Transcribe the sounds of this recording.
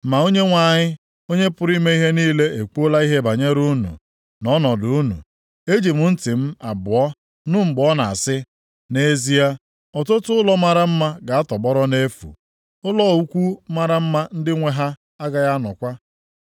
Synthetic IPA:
ma˨o˦ɲe˦ŋʷa˨ɲɪ˦ | o˦ɲe˦pʊ˦ɾi˦me˦i˦ɦe˦niː˦le˦e˨ku˦ʊ˦la˦i˦ɦe˦ba˨ɲe˦ɾu˦nṵ˨ | nɔ˦nɔ˨dʊ˨u˦nṵ˨ | e˦d͡ʒi˨mʊ˦n̩˦tɪ˨m̩˦a˨bʊ˨ɔ˦ | nʊ˦m̩˨bɔ˦na˨a˨sɪ˦ | ne˨˦zi˦a˦ | ɔ˨tʊ˦tʊ˦ʊ˦lɔ˦ma˨ɾa˦m̩˦ma˦ɡa˨a˦tɔ˨bɔ˦ɾɔ˦ne˦fṵ˨ | ʊ˦lɔ˦˨u˦kʷu˦ma˦ɾa˦m̩˦ma˦n̩˦dɪ˦ŋʷe˦ɦa˦ | a˦ɡa˨ja˦nɔ̰˨kʷa˦

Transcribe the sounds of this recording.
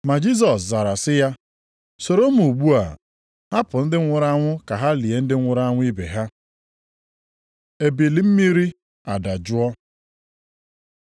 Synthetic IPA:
ma˨d͡ʒi˦s̬ɔ˨sza˨ɾa˨sɪ˦ja˦ | so˨ɾo˦m˦˨u˨ɡ͡bu˦a̰˨ | ɦa˦pʊ˨n̩˦dɪ˦ŋʷʊ˦ɾa˦ŋʷʊ˦ka˨ɦa˦li˨e˨n̩˦dɪ˦ŋʷʊ˦ɾa˦ŋʷʊ˦i˦bḛ˨ɦa˦ | e˨bi˨li˨˦m̩˦mi˦ɾi˦ | a˨da˨d͡ʒʊ˦ɔ˦

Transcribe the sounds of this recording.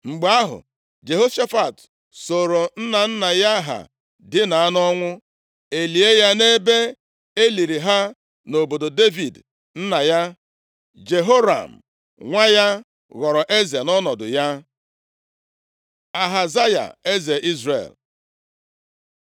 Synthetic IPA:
ŋ͡m̩˨ɡ͡ba˦ɦʊ̰˨ | d͡ʒe˨ɦo˦ʃa˦fa˨t | so˨ɾo˨n̩˦na˨n̩˦na˨ja˦ɦa̰˨ | dɪ˦na˨a˦nɔ˦ŋʷʊ˦ | e˨li˨e˦ja˦ne˦be˦ | e˦li˨ɾi˨ɦa˦ | no˨bo˨do˨de˦vi˨d | n̩˦na˨ja˦ | d͡ʒe˨ɦo˦ɾa̰˨m̩˨ | ŋʷa˦ja˦ | ɣɔ˨ɾɔ˨ʔe˦za˨nɔ˦nɔ˨dʊ̰˨ja˦ | a˨ɦa˨za˦ja̰˨e˦ze˨ʔi˦zrḛ˨l

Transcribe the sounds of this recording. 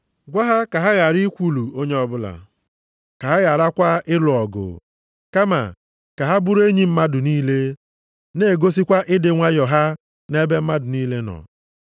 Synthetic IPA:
ɡʷa˦ɦa˦ka˨ɦa˦ɣa˨ɾi˦kʷu˦˨lu˨o˦ɲe˦ɔ˦bʊ˦la̰˨ | ka˨ɦa˦ɣa˨ɾa˦kʷa˦ɪ˦lʊ˨ɔ˨ɡʊ̰˨ | ka˦ma̰˨ | ka˨ɦa˦bu˦ɾe˦ɲi˦m̩˦ma˦dʊ˨niː˦le˦ | ne˦˨ɡo˦s̬i˦kʷa˦ʔɪ˦dɪ˨ŋʷa˦jɔ˨ɦa˦ | ne˦be˦m̩˦ma˦dʊ˨niː˦le˦nɔ̰˨

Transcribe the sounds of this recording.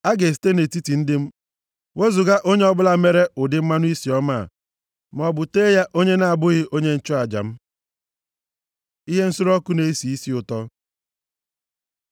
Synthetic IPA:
a˦ɡe˨s̬i̥˨˦te˦ne˨ti˦ti˨n̩˦dɪ˦m̩˦ | wʔe˦zu˨ɡa˦ʔo˦ɲe˦ɔ˦bʊ˦la˨me˦ɾe˦ʊ˨dɪ˦m̩˦ma˦nʊ˦i˦si˨ɔ˦ma̰˦˨ | m˨ɔ˨bʊ˨te˦ja˦ʔo˦ɲe˦na˨a˨bʊ˦ɣɪ˦ʔo˦ɲe˦n̩˦t͡ʃɔ˦a˨d͡ʒa̰˨m̩˦ | i˦ɦe˦n̩˦sʊ˦ɾɔ˦kʊ˦ne˦i˦si˨i˦si˦ʊ˨tɔ˦

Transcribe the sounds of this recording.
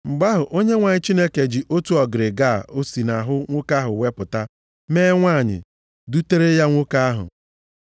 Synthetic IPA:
ŋ͡m̩˨ɡ͡ba˦ɦʊ˨ʔo˦ɲe˦ŋʷa˨ɲɪ˦t͡ʃi˦ne˦ke˨d͡ʒi˨ʔo˦tu˦ɔ˨ɡɪ˨ɾɪ˨ɡa˦˨o˦si˨na˨ɦʊ˦ŋʷʊ˦ka˦ɦʊ˨we˦pʊ˨ta˦ | meː˦ŋʷa˦˨ɲɪ̰˨ | du˦te˦ɾe˦ja˦ŋʷʊ˦ka˦a˦ɦʊ̰˨

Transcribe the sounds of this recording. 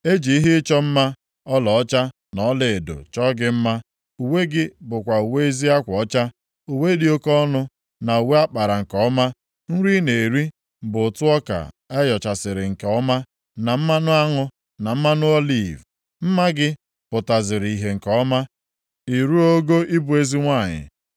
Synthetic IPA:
e˦d͡ʒi˨i˦ɦɪ˦t͡ʃɔ˦m̩˦ma˦ | ɔ˦lɔ˨ɔ˦t͡ʃa˦ | nɔ˨˦le˨e˨do̰˨t͡ʃɔ˦ɡɪ˦m̩˦ma˦ | u˨we˦ɡɪ˦bʊ˨kʷa˨u˨we˦e˦zi˦a˦kʷɔ˨ɔ˦t͡ʃa˦ | u˨we˦di˦o˦kɔ˦nʊ˦ | na˨u˨we˦a˦k͡pa˨ɾa˨ŋ̩˨kɔ˦ɔ˦ma˦ | n̩˦ɾi˦ne˨ɾi˦ | bʊ˨tʊ˦ɔ˦ka̰˨ | ɛ˦jɔ˨t͡ʃa˨sɪ˨ɾɪ˨ŋ̩˨kɔ˦ma˦ | na˨m̩˦ma˦nʊ˦a˦ŋʊ˦ | na˨m̩˦ma˦nʊ˦o˦li˦˨v | m̩˦ma˦ɡɪ˦ | pʊ˨ta˨zɪ˨ɾi˨i˨ɦe˨ŋ̩˨kɔ˦ma˦ | i˨ɾu˦o˦ɡo˦ʔi˦bu˨e˦zi˦ŋʷa˦˨ɲɪ̰˨

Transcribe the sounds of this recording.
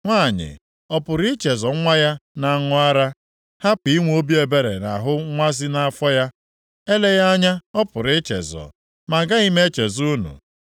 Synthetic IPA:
ŋʷa˦˨ɲɪ̰˨ | ɔ˨pʊ˨ɾɪ˦t͡ʃe˨zɔ˨˦ŋʷa˦ja˦na˨ŋʊ˦a˦ɾa˦ | ha˦pi˨˦ŋʷ˦o˦bi˦e˨be˦ɾḛ˨na̰˨ɦʊ˦ŋʷa˦zɪ˦na˨a˦˨fɔ˦ja˦ | e˦le˦ja˦ɲa˦ɔ˦pʊ˨ɾɪ˦t͡ʃḛ˨zɔ̰˨ | ma˨ɡa˦i˦me˦t͡ʃe˨zu˦nṵ˨

